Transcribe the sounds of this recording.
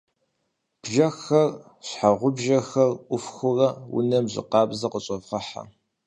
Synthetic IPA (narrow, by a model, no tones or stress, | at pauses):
b̥ʒɐxɐr | ɕħaʁʷʊbʒɐxɐrʔʷʊfxʷʊrɐwʊ̰nɐmʑɪ̰qɑːbzɐqəɕʼɐvʁɐħa̰